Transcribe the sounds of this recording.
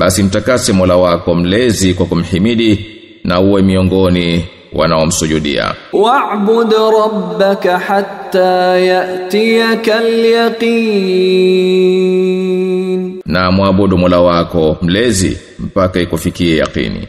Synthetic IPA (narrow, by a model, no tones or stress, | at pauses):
ɓasim̩takasɛmɔlawakɔm̩lɛzikwakum̩himiɗi | nauwɛmiɔŋɡɔni | wʔa̰naɔm̩suʄuɗḭa̰waʕbʊd̪ɾˤɑbːakaħat̪ːaːjaʔt̪ijakaljɑqiː | nnamwaɓɔɗumɔlawakɔm̩lɛzḭ | m̩pakaikufikiɛja̰qḭnḭ